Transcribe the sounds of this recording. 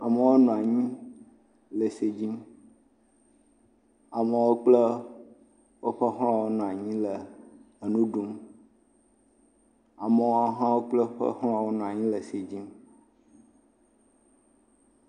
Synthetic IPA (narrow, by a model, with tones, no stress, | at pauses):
a˨mə˨wo˦nɔ̃˨a˨ɲĩ˦ | lə˨se˨d͡ʑi˦m | a˨mə˨wo˦k͡plə˦ | wo˦ɸə˦ɦã˨wo˦nɔ̃˨a˨ɲĩ˦lə˨ | nũ˦ɖu˦m | a˨mə˨wo˦a˦ɦã˦wo˦k͡plə˦ɸə̰˦ha˨wo˦nɔ̃˨ã˨ɲĩ˦lə˨se˨d͡ʑi˦m